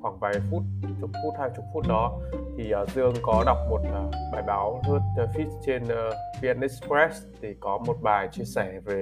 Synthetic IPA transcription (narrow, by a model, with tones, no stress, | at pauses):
xwaː˧˩ŋvaː˨˩fu˦˥t̚t͡ɕʊ˨˩k͡p̚fu˦˥t̚haː˧jt͡ɕʊ˨˩k͡p̚fu˦˥t̚ɗɔ˨˦t̪ʰi˨˩ʔəː˨˩zɨ˧əŋkɔ˨˦ɗa˨˩wk͡p̚mo˨˩t̚ʔəː˨˩ɓaː˨˩jɓaː˨˦wzɨ˦˥ət̚ə˧fi˦˥t̚t͡ɕe˧n˨vi˧ʔɛ˧nʔɛ˦˥spɾɛ˦˥s | t̪ʰi˨˩kɔ˨˦mo˨˩t̚ɓaː˨˩jt͡ɕi˧əsɛ˧˩ve˨˩